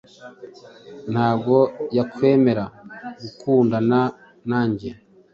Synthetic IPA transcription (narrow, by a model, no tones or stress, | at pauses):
n̥haːbɡo̞jakwe̞ːme̞ɾaɡukʰuːndana | naːɲɟiɾa